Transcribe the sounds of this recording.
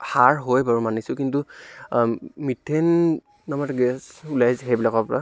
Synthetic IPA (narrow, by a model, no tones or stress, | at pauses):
haɹɦojbaɹumanisʊkintu | mitʰenː | ɔmatɡɛsulajzɦɛbilakɔpɔɹa